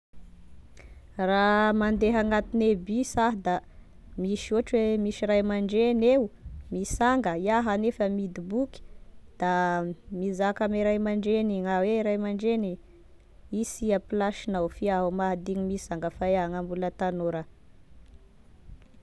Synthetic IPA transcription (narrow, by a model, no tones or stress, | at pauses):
ramand̪eɦaŋat̪inebisaɦd̪a | miʃoʈ͡ʂwemiʃiɾajmaɳɖ͡ʐenewumisaŋɡəiaɦanefəmid̪ibuki̥d̪̥amizakamiɾajmaɳɖ͡ʐeniŋaweɾajmaɳɖ͡ʐeni | isiapilaʃinawfiaɦumaɦd̪iɲimisaŋɡəfaeaŋambulət̪anoɾə